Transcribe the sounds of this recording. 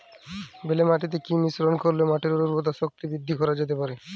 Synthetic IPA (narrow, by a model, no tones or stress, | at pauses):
belemaʈit̪̬ekinisɾonkoɾlemaʈeɾuɾuɾpot̪aʃok̚t̪ibɾid̪ʱːikɔɾad͡ʑet̪̬epaɾe